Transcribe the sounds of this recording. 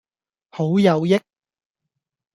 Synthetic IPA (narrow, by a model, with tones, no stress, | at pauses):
ho˨˥wjɐ˨˧wjɪ˥k̚